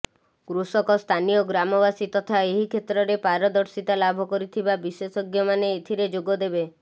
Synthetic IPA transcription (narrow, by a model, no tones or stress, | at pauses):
ɡɾusɔkɔst̪ʰanijɔɡɾamɔbasit̪ɔt̪ʰaeɦikʰet̪ɾɔɾepaɾɔd̪ɔɾsit̪alabʱɔkɔɾit̪ʰibabisesɔɡjɔmaneet̪ʰiɾed͡ʒoɡɔd̪ebe